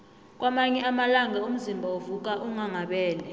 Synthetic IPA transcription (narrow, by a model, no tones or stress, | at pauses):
k̬ʼwamaɲɛamalaŋaum̩zimbʱaovuk̬ʼaʔuŋaŋaɓɛːlɛ